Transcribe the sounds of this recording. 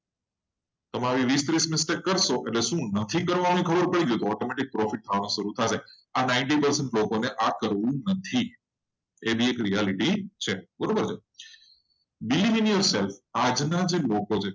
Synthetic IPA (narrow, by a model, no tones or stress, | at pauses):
t̪əmeaʋiʋist̪ɾismɪsʈekːəɾʃoʔeʈleʃũnət̪ʰikəɾʋanekʰəbəɾpəɽiɡjot̪uɔʈomeʈik̚pɾɔfiʈ̚t̪ʰəʋanõʃəɾut̪ʰaʃe | anaɪɳʈipəɾsẽɳʈlokoneʔakəɾʋũnət̪ʰi | ebʱiekɾijaliʈit͡ʃʰebəɾobəɾd͡ʒʰe | biliʋinjoɾselfad͡ʒnad͡ʒelokot͡ʃʰe